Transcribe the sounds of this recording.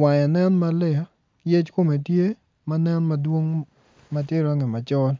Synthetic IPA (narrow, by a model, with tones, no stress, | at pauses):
wa˨ja˨nɛ˦nma˦lɪ˦ja˨ | jɛ˦t͡ʃko˦me˨tje˦ | ma˦nɛ˦nmɐ˦dwo˦ŋ | ma˨tje˦ɾɔ˦ŋɪ˨ma˨t͡ʃɔ˦l